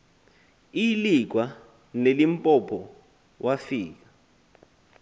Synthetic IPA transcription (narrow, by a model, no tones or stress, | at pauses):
ilik̬wa | nelimpʼɔpʰɔ | wʔafiːk̬ḁ